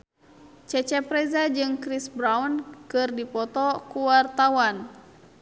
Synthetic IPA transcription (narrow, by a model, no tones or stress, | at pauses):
t͡ʃɛt͡ʃɛpɾɛzad͡ʒɨŋkɾisbɾawnkɨrdipɔt̪ɔkuwart̪awan